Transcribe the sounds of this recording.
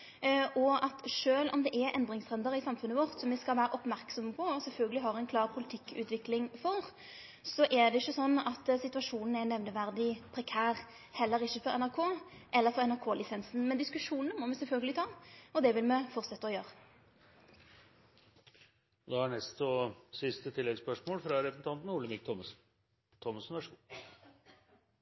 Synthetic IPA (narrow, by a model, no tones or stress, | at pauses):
ʔɔɑt̪ʂøːlɔ̰md̪ɛʔɛʔɛnd̪ɾɪŋsʁɛnd̪əɾɪsɑmfʉnːəʋɔʁt̪sɔmɛskɑlʋæːɾəʔɔpmæɾksɔməpʰɔːsɛlfœlɡəlɪɦɑɾɛnkʰlɑːʁpʰʊlɪt̪ʰɪkːʉ̰ːt̪ʋɪklɪŋfɔʁ | sɔʔɛd̪ɛɪçːəsɔnːɑt̪sɪt̪ʉɑʂuːnn̩ɛnːɛʋnəʋæʁd̪ɪpʰɾɛkʰæːʁ | hɛlːəɾɪçːəfɔɾɛ̰næɾkʰoːʔɛlːəɾfɔʁɛnæɾkʰoːlɪsɛnsn̩mɛnd̪ɪskʉʂuːnnəmɔmɛsɛlfœlɡəlɪt̪ʰɑːɔd̪ɛʋɪlmɛfɔʁt̪sɛt̪ːəɔjøːɾə | d̪ɛhɑɳɛst̪ɔsɪst̪ət̪ʰɪlːɛɡspœʂmoːlfɾɑɾɛsn̩t̪ʰɑnt̪n̩ʊləmɪk̚t̪ʰɔməs | t̪ʰːɔmɑsnʋæʂku